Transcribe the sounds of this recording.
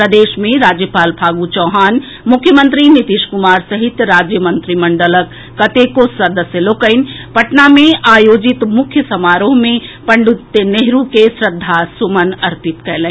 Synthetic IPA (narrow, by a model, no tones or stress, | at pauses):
pɾəd̪eːʃmẽɾaːd͡ʒjəpaːlbʱaːɡut͡ʃɔːɦaːn | mʊkʰːjəmə̃nt̪ɾinit̪iʃkʊmaːɾsəɦit̪ɾaːd͡ʒjəmənt̪ɾiməɳɖələkː | ɐt̪ekosɐd̪əsjəloːkəɪnpɐʈnamẽaːjoːd͡ʒit̪mʊkʰjəsɐmaːɾomẽpɐɳɖut̪ːeneɦɾukesɾəd̪ʱːasumənɐɾt̪it̪kɛɦlɛ̃